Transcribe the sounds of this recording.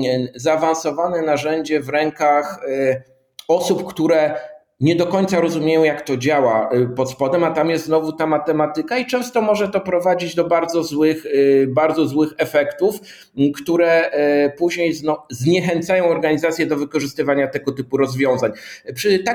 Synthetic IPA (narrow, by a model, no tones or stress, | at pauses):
zaːvañsɔvanɛnaʐɛɲd͡ʑɛvɾɛŋkax | ɔsupkt̪uɾɛ | ɲɛd̪ɔkɔɲt̪saɾɔzumʲjejɔ̃w̃jakt̪ɔd͡ʑawapɔt̪spɔd̪ɛmat̪amjɛst̪znɔvut̪amat̪ɛmat̪ɘkait͡ʂɛ̃w̃st̪ɔmɔʐɛt̪ɔpɾɔvad͡ʑid͡ʑd̪ɔbaɾd̪zɔzwɘxbaɾd̪zɔzwɘxɛfɛkt̪uf | kt̪uɾɛpuʑɲejznɔzɲɛxɛnt̪sajɔ̃w̃ɔɾɡaɲizat̪sʲjɛd̪ɔvɘkɔʐɘst̪ɘvaɲat̪ɛɡɔt̪ɘpuɾɔzvʲjɔ̃w̃zaɲpʂɘt̪a